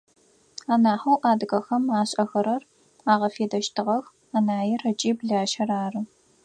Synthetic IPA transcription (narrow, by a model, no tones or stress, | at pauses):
aːnaːħɐwʔaːdɨɣɐxɐmaːɕʼɐxɐɾɐr | aːʁɐfeːdɐʃtʰɨʁɐx | anaːjɛrɐt͡ʃʼiːbɮaːʃɐraːrɨ